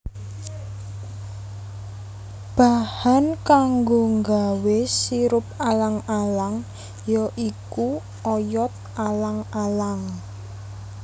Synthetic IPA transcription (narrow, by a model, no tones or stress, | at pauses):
b̥ahankaŋɡoŋɡawesiɾʊp̚alaŋalaŋ | jɔʔiku | ɔjɔt̪̚ʔalaŋalaŋ